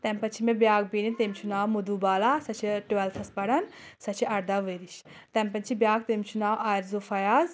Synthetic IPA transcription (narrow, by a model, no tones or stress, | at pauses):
t̪ɛmpɐnt͡ʃʰimẽbjaːɡ̚biːɾinʲt̪emʲt͡ʃʰunaːwmud̪uːbaːlaːsɐt͡ʃʰiʈuɛlt̪ʰɐspɐɽɐnsɐt͡ʃʰiɐɾd̪aːʋeːɾiʃ | t̪ɛmpɐnt͡ʃʰibjaːɡ̚t̪emʲt͡ʃʰunaːwʔaːɾzofɐjaːz